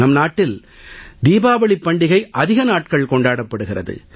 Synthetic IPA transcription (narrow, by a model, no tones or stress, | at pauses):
nɐmnaːʈːɪl | d̪iːbaːʋɐɭɪpːɐɳɖɪɣɐɪʔɐðɪɣɐnaːʈ̚kɐɭkɔɳɖaːɽɐpːɐɽɯɣɪrɐðɯ̰